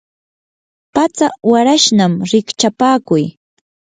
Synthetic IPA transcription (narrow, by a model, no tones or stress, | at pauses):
pat͡sawaɾaʃnamɾɪkt͡ʃapaːkʊj